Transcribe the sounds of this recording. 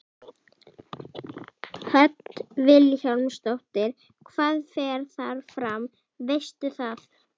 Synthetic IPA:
hœt̪vɪlçalmst̪ɔwht̪ɪɾ̥ | kʰvaːðfɛɾ̥θaɾfɾam | vejst̪ʏθað

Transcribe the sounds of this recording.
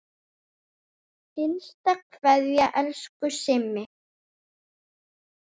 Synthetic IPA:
t̪ɪnəɬt̪ɑqvaðjaʔanɬkʊsɪmːɪ

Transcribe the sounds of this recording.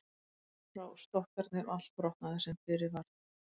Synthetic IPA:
fɾawst̪ɔhkaɾt̪nɪɾal̥t̪̚pɾɔhp̪naðɪsɛmfɪɾɪɾvaɾð

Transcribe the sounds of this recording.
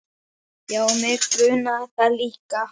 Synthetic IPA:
jawmɛpɾʏnaθalihka

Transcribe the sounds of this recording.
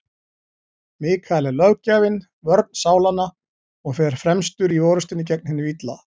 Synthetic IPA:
mɪːkʰalɛlœɣcaːvɪn | vœɾt̪̚n̥saːwlanːa | ɔɣfɛɾ̥fɾɛmst̪ʏɾivɔːɾʏst̪ɪnːɪc̬ɛknɪnːɪviːt̪la̰

